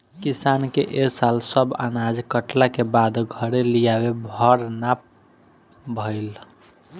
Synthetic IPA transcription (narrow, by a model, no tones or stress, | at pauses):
kisankeʔesalsəba̰nad͡ʒkəʈlakebad̪ɡʱəɾelijabebʱəɾnap̚ | bʱəɪl